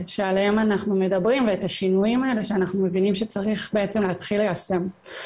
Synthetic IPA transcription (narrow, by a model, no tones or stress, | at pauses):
ʃealhe̞manaχnume̞dabʁimveetaʃinujimaele̞ʃeanaχnume̞vinimʃet͡saʁiχbeet͡semleat̪χilejase̞m